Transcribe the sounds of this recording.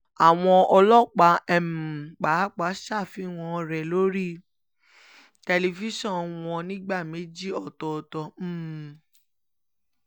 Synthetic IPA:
a˨w̃ɔ̃˧ɔ˧lɔ˦k͡pa˨˦ɛ˨m˨k͡pa˨˦k͡pa˨˦ʃa˦˨fi˨˦w̃ɔ̃˧ɾɛ˨lo˦ɾi˦˨ | tɛ˧li˧fi˦ʃɔ̃˦˨w̃ɔ̃˧nĩ˦ɡ͡ba˦˨me˨˦d͡ʒi˦ɔ˦˨tɔ˨˧tɔ˧˦˨

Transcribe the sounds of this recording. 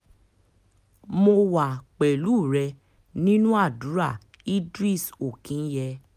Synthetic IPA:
mo˧wa˨k͡pɛ˨lu˨˦˨ɾɛ˧ | nĩ˦nũ˦a˦˨du˨˦ɾa˦˨ | i˦dɾi˦˨so˨kĩ˨˦n̩˦jɛ˧

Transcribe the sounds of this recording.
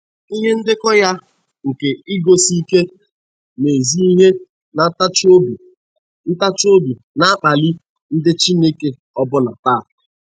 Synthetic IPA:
i˦ɦe˦n̩˦dɪ˦kɔ˦ja˦ | ŋ̩˨ke˨i˦ɡo˦si˦ke˦ | ne˨zi˦i˦ɦe˦ | na˨tt͡ʃo˦bu˨ | n̩˦ta˦t͡ʃo˦bu˨ | na˦k͡pa˨li˦ | n̩˦dɪ˦t͡ʃi˦ne˦ke˦ | ɔ˦bʊ˦na˨ta˦˨

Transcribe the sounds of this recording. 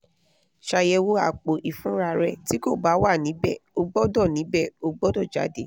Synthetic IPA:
ʃa˧jɛ˧wo˧a̰˨k͡po˨ʔi˨fũ˨˦ɾa˧ɾɛ˧ti˦ko˦˨ba˨˦wa˦˨nĩ˨˦bɛ̰˦˨o˧ɡ͡bɔ˦dɔ˦˨nĩ˨˦bɛ˦˨o˧ɡ͡bɔ˦dɔ˦˨d͡ʒa̰˨˦de˨˦

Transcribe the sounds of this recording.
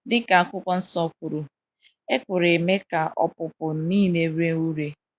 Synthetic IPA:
dɪ˦ka˨a˨kʷʊ˦kʷɔ˦n̩˦sɔ˦kʷu˨ɾu˨ | e˦kʷʊ˨ɾe˨me˦ka˨ʔɔ̰˦pʊ˨pʊ˨˦niː˦˨ne˨ɾe˦u˦ɾe˦

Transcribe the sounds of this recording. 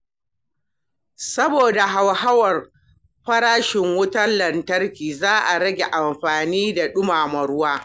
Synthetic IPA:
sɐ˦boː˨da˨ɦa˨wha˦wɐ˨r | ɸɐ˦ɽaː˦ʃɪ˨ŋwʊ˦tɐ˦nlɐ˨ntɐ˦rkʲiː˨zaː˦ʔa˨ɾɐ˦ɡʲe˨ʔa˨mɸaː˨niː˦da˨ɗʊ˦maː˨mɐ˨ɽʊ˦waː˦

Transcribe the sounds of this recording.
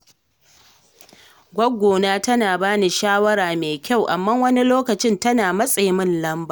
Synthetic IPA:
ɡʷɐ˦ɡʷoː˨naː˦tɐ˦naː˨baː˦ni˨ʃaː˦wɐ˦ɾaː˨meː˨kʲa˦˨wʔa̰˨mːa˦wɐ˦ni˦loː˦kɐ˨t͡ʃɪ˦ntɐ˦naː˨mɐ˦sʼe˨jmɪ˦nlɐ˦mba˨

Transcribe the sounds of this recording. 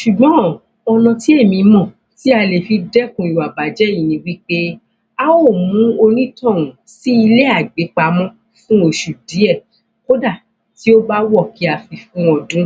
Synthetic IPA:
ʃu˨ɡ͡bɔ̃˨˦ | ɔ˧nɔ̃˧ti˦e˦˨mĩ˧mɔ̃˦˨ | ti˦a˧le˨fi˧dɛ˦kũ˨i˨wa˨ba˨d͡ʒɛ˨˦jĩ˨nĩ˨˧wi˦k͡pe˦ | a˦wo˦˨mũ˨˦o˧nĩ˦tɔ̃˦˨wũ˨ | si˦i˧le˦a˦˨ɡ͡be˨˦k͡pa˧mɔ̃˦ | fũ˦o˧ʃu˨di˨˦ɛ˦˨ | o˦da˦˨ | ti˦o˦ba˦wɔ˦˨ki˨˦a˨fi˨fũ˦ɔ˧dũ˦

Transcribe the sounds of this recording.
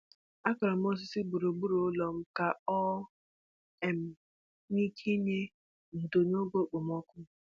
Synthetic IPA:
a˦kɔ˨ɾɔ˨m̩˦o˦s̬ɪ˦si˦ɡ͡bu˨ɾo˨ɡ͡bu˦ɾo˨˦lɔ˨m̩˦ka˨ɔ˦ | e˨m̩˦ | ni˦ke˦ɲe˦ | n̩˨do˨no˦ɡo˦k͡po˨m˦ɔ˦kʷʊ˦

